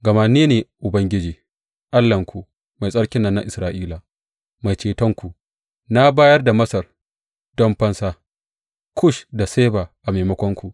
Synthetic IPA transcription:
ɡɐ˨ma˦neː˦neː˨ʔʊ˨bɐ˦ŋɡʲɪ˦d͡ʒiː˨ | ʔa˦lːɐ˨ŋkʷu˨ | ma˨jsʼɐ˦ɽkʲɪ˦nːɐ˦˨nːa̰˦ʔɪ˨sɾaː˨ʔiː˦la˨ | ma˨jt͡ʃeː˨tɔ˦ŋkʷu˨ʔ | na˦baː˦jɐ˦rda˨mɐ˦sɐ˨r | d̥ɔ˦mɸɐ˦nsaː˦ | kʷʊ˦ʃda˨seː˦baː˨ʔa˨me˨mɐ˦kʷɔ˦ŋkʷu˨ʔ

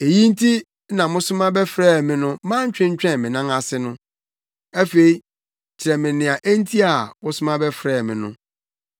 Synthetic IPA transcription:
e˨ji˦n̩˦tʰi˦ | nã˨mʊ̃˦sʊ̃˦mã˦bɛ˦fɾɛː˦˨mɪ̃˨˦nʊ̃˦mã˦ɲ˦t͡ɕᶣɪ̃˦ɲ˦t͡ɕᶣɛ̃˦˨mɪ̃˨nã˦ŋa˨sɪ˦nʊ̃˦ | æ˦fe˨i˨ | t͡ɕʰɪ˨ɾɛ˨mɪ̃˨nɪ̃˨a˨ʔæ˦n̩˦tʰi˦a˨wʊ˦sʊ˦mã˦bɛ˦fɾɛː˨mɪ̃˨nʊ̰̃˦

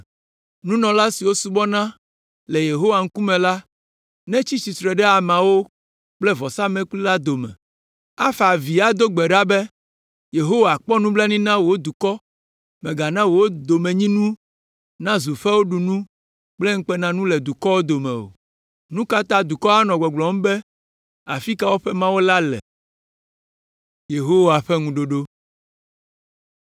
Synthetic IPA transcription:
nũ˦nɔ̃˨la˦si˨wo˦su˦bɔ˦nã˦ | lɛ˨je˨ɦo˦wa˨ŋ̩˦ku˦mɛ̃˨la˦ | nɛ̃˦t͡ɕi˦si˨sɾɛ˨ɖɛ˦a˨mã˨wo˦ | k͡plɛ˦vɔ˨sa˦mɛ̃˦k͡pli˦la˦d̪o˨mɛ̰̃˨ | a˦fa˨vi˨a˦d̪o˦ɡ͡bɛ˨ɖa˦bɛ˦ | je˨ɦo˦wa˨k͡pɔ˦nũ˦blɛ˦nĩ˦nã˦wo˨wo˦d̪u˨kɔ˦ | mɛ̃˨ɡa˨nã˦wo˨wo˦d̪o˨mɛ̃˨ɲĩ˦nũ˦ | nã˦zu˨ɸɛ˦wo˦ɖu˨nũ˦ | k͡plɛ˦ŋ̩˦k͡pɛ˦nã˦nũ˦lɛ˨d̪u˨kɔ˦wo˦d̪o˨mɛ̰̃˨o̰˨ | nũ˦ka˦t̪a˦d̪u˨kɔ˦a˦nɔ̃˨ɡ͡bɔ˨ɡ͡blɔ˨m̩˦bɛ˦ | a̰˨fi˦ka˦wo˦ɸɛ˦mã˦wo˦la˦lɛ̰˨ | je˨ɦo˦wa˨ɸɛ˦ŋũ˨ɖo˨ɖo˦

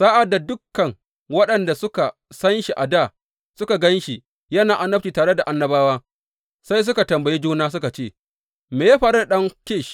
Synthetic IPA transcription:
saː˦ʔa˨da˨dʊ˦kːɐ˨ŋ | wɐ˦ɗɐ˨nda˨sʊ˦ka˨sɐ˦nʃi˨ʔa˨daː˦˨ | sʊ˦ka˨ɡɐ˦nʃi˨ | jɐ˦naː˨ʔa˨nːɐ˦p̚t͡ʃiː˨taː˨ɽe˦da˨ʔa˦nːɐ˦baː˦waː˦ | sa˦js̬ʊ˦ka˨tɐ˨mbɐ˨ji˦d͡ʒuː˦naː˦s̬ʊ˦ka˨t͡ʃeː˦˨ | meː˨jaː˦ɸaː˨ɾe˦da˨ɗɐ˦ŋkʲe˦˨ʃ

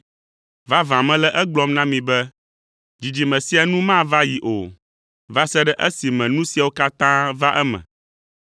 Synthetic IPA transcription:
va˦vã˨mɛ̃˦lɛ˦ʔɛ˦ɡ͡blɔ˦mnã˦mĩ˨bɛ˦ | d͡ʑi˨d͡ʑi˨mɛ̃˨si˦a˨nũ˦mã˦˨va˦ji˨ʔo̰˨ | va˦sɛ˦ɖɛ˦ʔɛ˦si˨mɛ̃˨nũ˦si˨a˨wo˦ka˦t̪ã˦va˦ʔɛ˦mɛ̰̃˨

